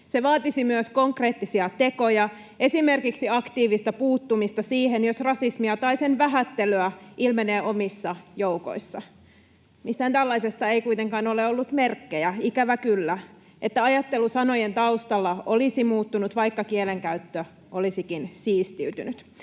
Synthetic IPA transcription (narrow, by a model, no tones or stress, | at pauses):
seʋɑːt̪isimyøsko̞ŋkreːt̪ːisiɑt̪e̞kojɑ | ʔe̞sime̞rkiksiɑkt̪iːʋist̪ɑpuːt̪ːumist̪ɑsiːhenjosrɑsismiɑt̪ɑisenʋæɦæt̪ːeløæʔilmeneːʔomisːɑjouko̰isːɑ | mist̪hænt̪ælːɑisest̪ɑeikujt̪eŋkɑːno̞leolːut̪me̞rkːejæikæʋækylːæ | ʔet̪ːæɑjɑt̪ːe̞lusɑnojent̪ɑust̪ɑlːɑʔolisimuːt̪ːunut̪ʋɑikːɑkieleŋkæyt̪ːø | ʔolisikinsiːst̪iyt̪y̰nyt̪